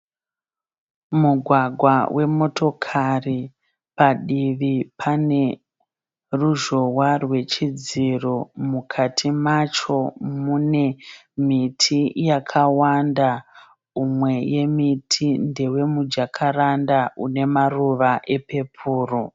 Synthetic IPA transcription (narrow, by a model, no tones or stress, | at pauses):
muɡʱwaɡʱwawʔe̞mo̞to̞kʰari | paɗiʋipʰane̞ | ruʒo̞warwe̞t͡ʃid͡ziromukʰatʰimat͡ʃo̞mune̞ | mitʰijakʰawanda | umwe̞je̞mitʰinde̞we̞mud͡ʒakʰarandaune̞maruʋaʔe̞pe̞pʰuːro